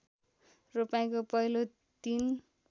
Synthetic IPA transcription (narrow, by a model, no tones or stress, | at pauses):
rupaj̃kopʌɦilo | t̪in